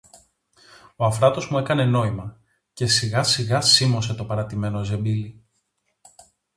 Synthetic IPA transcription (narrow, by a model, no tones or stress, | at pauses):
oɐfɾɐt̪o̞zmue̞kɐne̞no̞imɐ | ce̞siɣɐsiɣɐsimo̞se̞t̪o̞pɐɾɐt̪ime̞no̞ze̞mbili